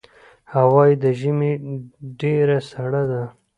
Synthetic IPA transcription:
hawɑjid̪əʒimeɖeɾasaɽad̪a

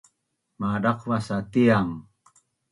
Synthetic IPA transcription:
maɾɑqwasat̪ijaŋ

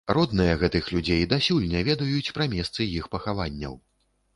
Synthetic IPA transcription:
ɾɔd̪nɨjɐɣɛt̪ɨxlʲud͡zʲejd̪asʲulʲnʲɛvʲɛd̪ɐjut͡sʲpɾɐmʲɛst̪sɨjixpɐxavanʲːɐ̰w

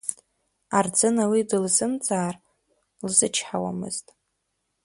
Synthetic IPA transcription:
ard͡zʼɨnawidɨlzɨmt͡sʼaːr | lzɨt͡ʃʰħawa̰mɨ̰z̥tʼ

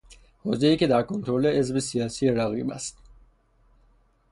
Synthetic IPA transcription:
hoːzeiːkʰed̪æɾkʰont̪ʰɾoleezbesijɑːsieɾæɣḭːbæ̰st̪̚

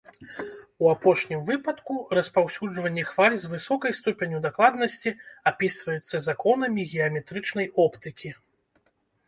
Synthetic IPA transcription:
uapɔʂnʲimvɨpɐt̪kurɐspawsʲud͡ʐvɐnʲːɛxfalʲzʲvɨsɔkɐjst̪upʲenʲud̪aklˠad̪nɐsʲt͡sʲiapʲisvɐjɛt̪sːɐzakɔnɐmʲiɣʲɛɐmʲɛt̪ɾɨt͡ʂnɐjɔpt̪ɨkʲi

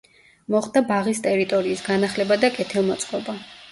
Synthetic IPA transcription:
mɔχd̪abaʁist̪ʼɛɾit̪ʼɔɾiːsɡanaχlɛbad̪akʼɛt̪ʰɛlˠmɔt̪sʼqʼɔba

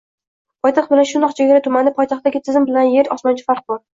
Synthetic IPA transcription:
pʰɒjt̪ʰɑχq̚bɪlanʃʊnd̪ɒqt͡ʃʰeɡʲaɾat̪ʰʊmanɪpʰɒjt̪ʰɑχt̪ːaɡʲɪt̪ʰɪzɪmbɪlanjeɾɒsmɒnt͡ʃʰḁfaɾq̚bɒɾ

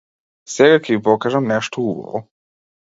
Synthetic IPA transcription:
seɡakʰeipokaʒɛmneʃt̪oubo̰vo̰

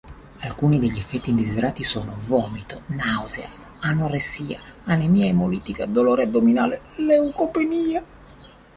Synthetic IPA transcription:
alkuːnid̪eʎːiɛfːɛt̪ːiːnd̪izid̪eɾaːt̪isɔːnovɔːmit̪onawzea̰ | anoresːiːa̰anemiːaemːoliːt̪ikad̪oloːɾeɛd̪omina̰ːle | leukopeniːa

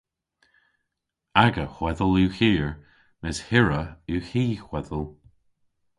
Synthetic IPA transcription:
aɡəxwɛðəlʉːxiːɹ | mɪshɪɹəʉːhiːxwɛðəlˠ

